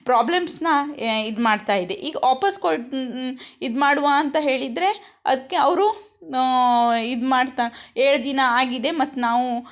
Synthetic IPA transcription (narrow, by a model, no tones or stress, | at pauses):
pɾaːblemsnɐid̪maːɖt̪aːjid̪e̞ʔiːɡɐʔaːpɐskoʈ | id̪maːɽuʋaɐnt̪ɐɦe̞ːɭid̪ɾe̞ | ɐ̰d̪ɐkːeɐʋɾu | id̪maːɽt̪aeːɭd̪inɐaːɡid̪e̞mɐt̪ːunaːʋu